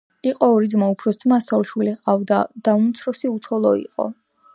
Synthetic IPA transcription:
iqʼɔːɾid̪zmaupʰɾɔsd̪masɔlˠʃwiliqʼavd̪ad̪̥aumt̪sʰɾɔsiut̪sʰɔlˠɔḭqʼɔ̰

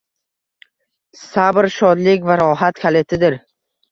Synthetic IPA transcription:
sabɾʃɒd̪lɪkʲvaɾɒɦat̪kʲʰale̞t̪ʰɪd̪ɪɾ

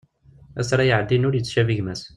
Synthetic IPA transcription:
æsɾˤɑjəʕd̪ːinʊɾjət͡sːʃæviʝmæs

